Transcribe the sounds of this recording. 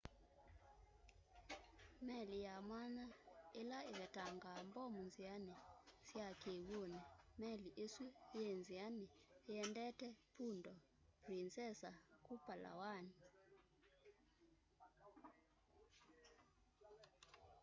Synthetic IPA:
mɛlijamwanaɛlaikɛtʰʼaŋɡambɔmund͡zʱianisiakʰew̬unɛmɛliʔesujend͡zʱianijɛndʼɛtʰɛpʰundʱɔ | print͡sʼɛsakupala̰waːni

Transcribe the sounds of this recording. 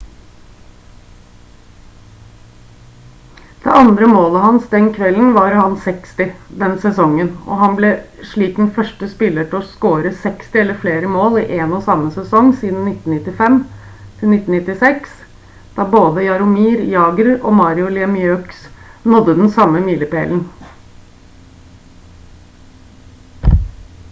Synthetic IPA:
d̪̥ɛ̰ʔɑnd̪ɾəmoːləhɑnsd̪ɛnkʰʋɛln̩ʋɑɾhɑnsɛkst̪ɪd̪ɛnsɛsɔŋːənɔ̰ɦɑnblɛʂɭiːkn̩fœʂʈəspɪlːəʈɪlɔskoːɾəsɛkst̪ɪɛlːəɾfleːɾəmoːlɪʔeːnɔsɑmːəsɛsɔŋsiːd̪n̩nɪt̪n̩nɪt̪ːɪfɛm | t̪ʰɪlnɪt̪ːn̩nɪt̪ːɪsɛks | d̪̥ɑːboːd̪əjɑɾʊmiːɾjɑːɡəɾɔmɑːɾɪʊlɪɛmɪøːksnɔd̪ːəd̪ɛn̩sɑmːəmiːləpeːln̩

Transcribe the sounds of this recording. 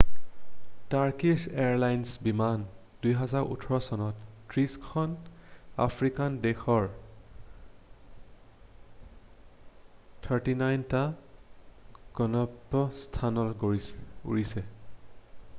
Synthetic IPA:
taɹkiseaɹlajnsbiman | dujɦɛzaɹʔṵtʰɔɹɔsɔnɔttɹiskʰɔna̰fʰɹikandɛxɔɹ | tʰəɹtinajnta | ɡ̥ɔnɔpːɔstʰanɔl | ṵɹisɛ

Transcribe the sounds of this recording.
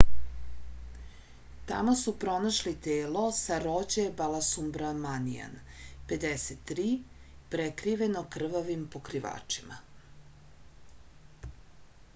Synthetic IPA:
t̪a̰mosupɾo̞naʃlit̪eːlo̞saɾod͡ʑebalasumbɾamanija̰npe̞d̪eset̪ːɾiːpɾekɾiʋenokr̩ʋaʋimpokɾiʋa̰ːt͡ʂi̥ma

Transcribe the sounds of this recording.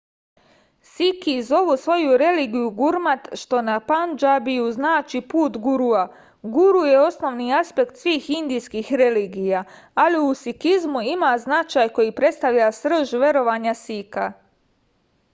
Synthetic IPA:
sikiːzo̞ʋusʋo̞juɾe̞liːɡijuɡuɾmat̪ʃt̪o̞napand͡ʒabijuznaːt͡ʃipuːt̪ɡuɾua | ɡuɾujeo̞sno̞ʋniaspe̞kt̪sʋiːxind̪ijskixɾe̞liːɡija | aliusikizmuimaznat͡ʃaːjko̞jipɾet̪st̪aʋʎasr̩ʒʋe̞ɾo̞ʋaɲasika

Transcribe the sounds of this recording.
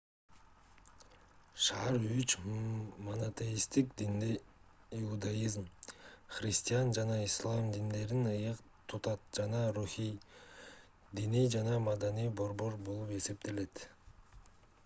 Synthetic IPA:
ʃɑɾyt͡ʃmonat̪ejist̪ikd̪in | iud̪ajizmχɾʲisʲt̪ʲijand͡ʒɑnɑislˠɑmd̪ind̪e̞ɾinɯjɯq | t̪ʰut̪ɑt̪̚d͡ʒɑnɑɾuxij | d̪inijd͡ʒɑnɑmɑd̪ɑnijbo̞ɾbo̞ɾbolˠupe̞se̞p̚t̪e̞le̞t̪

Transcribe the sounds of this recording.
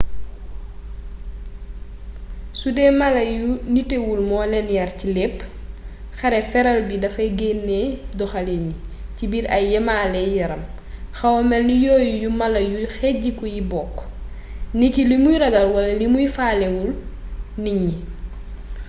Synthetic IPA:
sudɛmɐlɐjunitewulmɔːlɛnjɐɾcilepː | xɐɾɛfɛɾɐlbidɐfɐjɡenːedɔxaliɲicibiɾɐjɛmaːlɛjɐɾɐm | xɐwɔmɛlnijɔːjujumɐlɐjujxɛɟikujibɔːkː | nikilimujɾɐɡɐlwɐlɐlimujfaːlewulniɲi

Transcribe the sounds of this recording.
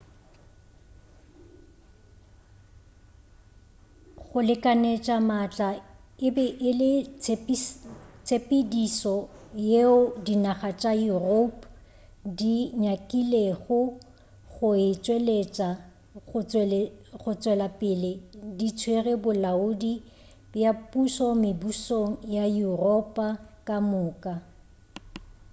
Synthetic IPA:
ɣʊlɪkʼanet͡ʃʼamat͡ɬʼaɪbɛʔɪlɪt͡sp | t͡sʼepʼɪdisɔ | jeʊdinaχat͡ʃʼairopʼ | diɲakʼileɣʊ | ɣʊɪt͡sʼwelet͡ʃʼa | ɣʊ | ɣʊt͡sʼwɛlapʼɪlɪdit͡sʰwerɛbʊlaʊdi | bjapʼusɔmɪbusoŋ̩jajurɔpʼakʼamʊːkʼa

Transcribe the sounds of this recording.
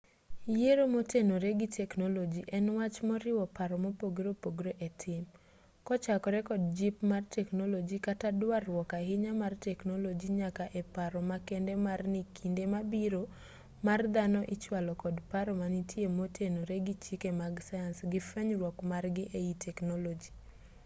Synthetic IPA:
jeɾomotenoɾeɡɪtɛknolod͡ʒiʔɛnwat͡ʃmɔɾɪwɔpaɾɔmopoɡɾopoɡɾoʔetʰɪm | kɔt͡ʃakɔɾɛkɔdd͡ʒipmartɛknolod͡ʒikatadwarwɔkaɦɪɲamartɛknolod͡ʒiɲakaʔɛpaɾɔmakɛndɛmarnɪkʰindemabiɾo | mard̪anɔʔɪt͡ʃwalɔkɔdpaɾɔmanitjemotʰenoɾeɡɪt͡ʃikemaɡsajansɡɪfɛɲrwɔkmarɡɪʔeitʰɛknolod͡ʒi

